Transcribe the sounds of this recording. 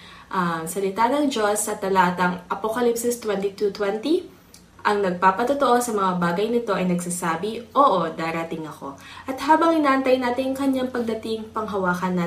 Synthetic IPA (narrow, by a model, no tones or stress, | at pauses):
ʔɐmsɐlɪt̪anɐŋd͡ʒosːɐt̪ɐlaːt̪ɐŋʔɐpokɐlipsɪst̪wɛnt̪it̪ut̪wɛnt̪i | ʔɐŋnɐɡ̚paːpɐt̪ot̪oʔosɐmɐŋabaːɡɐjnɪt̪o̞ʔɐjnɐɡsasaːbɪʔoːʔod̪aːɾɐt̪ɪŋɐko̞ʔɐt̪haːbɐŋʔɪnaːʔɐnt̪ɐjnaːt̪ɪŋkɐɲaŋpɐɡ̚d̪ɐt̪ɪŋpɐŋɦɐwaːkɐnːa